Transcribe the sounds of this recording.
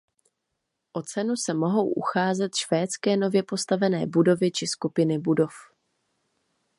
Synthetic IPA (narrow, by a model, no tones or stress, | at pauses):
ʔo̞t͡sɛnusɛmo̞ɦo̞wʔṵxaːzɛt̪ʃv̥ɛːt͡skɛːno̞vjɛpo̞st̪avɛnɛ̰ːbudo̞vɪt͡ʃɪskupɪnɪbudo̞f